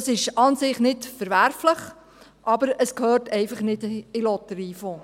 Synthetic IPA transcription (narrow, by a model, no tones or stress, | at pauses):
sɪʃɑnsɪχnɪtfəɾʋæɾfləχ | ʔɑbəɾəskhøːɾtɛɪfɑχnɪdɪlɔtəɾiːfo